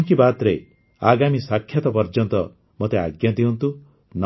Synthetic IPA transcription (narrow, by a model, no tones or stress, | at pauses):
ŋkibat̪ɾe | aɡamisakʰjat̪ɔpɔɾd͡ʒɔnt̪ɔ | mot̪ea̰ɡjad̪iɦɔnt̪u | n